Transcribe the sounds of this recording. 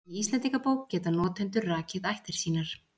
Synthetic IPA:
iist̪lɛnt̪ikapoːwkcɛːt̪anɔːt̪ʰɛnt̪ʏrraːcɪðajht̪ɪɾ̥siːnaɾ̥

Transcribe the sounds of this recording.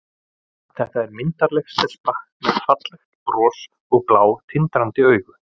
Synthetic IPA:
θɛht̪aɛɾmɪnt̪aɾlɛxst̪ɛl̥spah | mɛðfat̪lɛxt̪rɔːs | ɔɣplaːwt̪ʰɪnt̪ɾant̪ɪœːɥɣʏ

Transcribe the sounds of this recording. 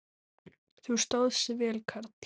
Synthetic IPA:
θu̥st̪oːwðsɪvɛːlkʰaɾt̪

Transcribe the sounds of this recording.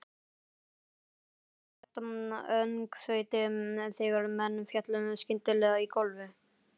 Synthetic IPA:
ɛt̪amœŋkθœːjt̪ɪmɛθɛɣaɾmɛnːfjat̪lʏnʏmscɪnt̪ɪlɛːɣaikɔlvʏ

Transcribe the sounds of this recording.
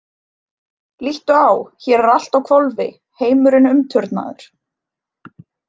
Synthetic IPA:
liht̪ʏawçɛɾɛɾal̥t̪awkʰvolvɪ̰ | heːjmʏɾʏnʏmt̪ʰʏɾt̪na̰ðʏ̰ɾ̥

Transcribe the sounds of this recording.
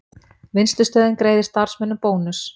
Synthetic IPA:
vɪnst̪lʏst̪œːðɪnkɾeːjðɪ̥st̪aɾ̥smɛnːʏpoːwnʏs

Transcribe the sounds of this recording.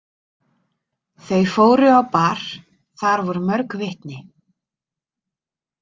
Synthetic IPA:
θejfoːwɾʏawpaɾ̥ | θaɾvɔɾʏmœɾkvɪht̪nɪ

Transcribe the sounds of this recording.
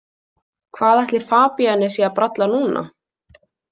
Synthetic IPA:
kʰvaːðajht̪lɪ̥faːpianːɪsjiapɾat̪lanuːna̰

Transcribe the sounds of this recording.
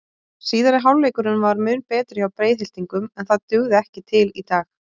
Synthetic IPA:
siːðaɾɪɦawlːejkʏɾʏnvaɾmʏːnpɛːt̪ɾʏawpɾejðɪl̥t̪iŋkʏmɛnθaðt̪ʏɣðɪɛhcɪt̪ʰɪlit̪aːx

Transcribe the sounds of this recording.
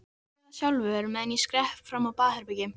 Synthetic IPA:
çawlvʏɛɾmɛðniskɾɛhpfɾamːawpaːhɛɾpɪcɪ

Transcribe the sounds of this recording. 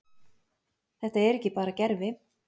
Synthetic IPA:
θɛht̪aɛɾɛhcːɪpaːɾacɛɾvɪ

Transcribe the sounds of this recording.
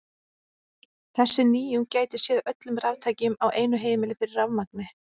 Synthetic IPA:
θɛsːɪniːjʏncaːjt̪ɪ̥sjɛðaʔœt̪lʏmravt̪ʰaːjcɪmawʔeːjnʏɦeːjmɪlɪfɪɾɪɾravmak̚nɪ

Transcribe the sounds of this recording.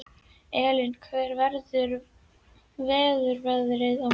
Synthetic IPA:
ɛːlɪnkʰvɛːɾvɛɾðʏɾ | vɛːðʏɾvɛɣðɾɪða

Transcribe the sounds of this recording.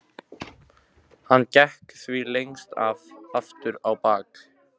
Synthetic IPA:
hanːcɛhkθvilejŋst̪a̰vaft̪ʏɾawpaːk

